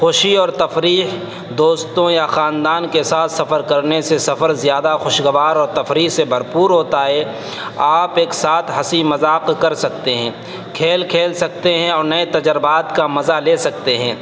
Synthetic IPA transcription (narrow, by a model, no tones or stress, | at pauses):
xʊʃiɔːɾt̪ɐfɾiːɦ | d̪oːst̪õjaxaːnd̪aːnkesaːt̪ʰsɐfəɾkɐɾnesesɐfəɾzijaːd̪axʊʃɡəʋaːɾɔːɾt̪ɐfɾiːsebʱɐɾpuːɾɦoːt̪aɦɛ | aːpeːksaːt̪ʰɦɐsimɐzaːqkɐɾsɐk̚t̪eɦɛ̃ː | kʰeːlkʰeːlsɐk̚t̪eɦɛ̃ɔːɾnɐet̪ɐd͡ʒəɾbaːt̪kamɐzaleːsɐk̚t̪eɦɛ̃ː